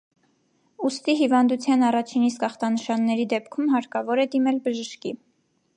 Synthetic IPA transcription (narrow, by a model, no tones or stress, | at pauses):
ust̪iɦivɑnd̪ut͡sʰjɑnɑrɑt͡ʃʰinist̪kɑχt̪ɑnəʃɑnːɛɾid̪ɛpkʰumɦɑɾkɑvɔɾɛd̪imɛlbəʒəʃki